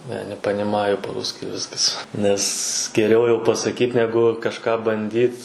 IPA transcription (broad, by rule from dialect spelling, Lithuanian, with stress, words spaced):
ˈnʲɛ nʲɛpɐnʲɪˈmɑːjʊ pɐ ˈruːsʲkʲɪ ˈʋʲɪskɐs ˈnʲɛs ɡʲɛˈrʲɛʊ jɛʊ pɐsɐˈkʲiːt ˈnʲæːɡʊ kɐʃˈkɑː bɐnʲˈdʲiːt